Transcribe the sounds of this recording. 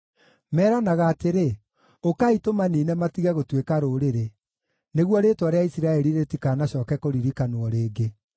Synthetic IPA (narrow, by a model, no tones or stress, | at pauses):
mɛːɾanaɣaːteɾe | okaitomaniːnɛmatiɣɛɣotwekaɾoːɾeɾe | neɣwɔɾeːtwaɾeaisiɾaɛɾiɾetikaːnaɕɔːkɛkoɾiɾikanoɔɾeːɡe